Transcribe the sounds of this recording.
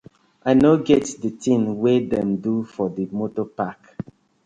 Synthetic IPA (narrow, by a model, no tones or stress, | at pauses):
ʔanoɡɛtdətĩnwedɛ̃mdufɔdəmotɔpak